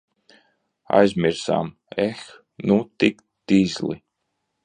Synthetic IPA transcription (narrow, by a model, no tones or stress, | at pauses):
a̰jzmʲiɾsa̰ːm | ɛx | nut̪ik | d̪̥iːzlˠḭ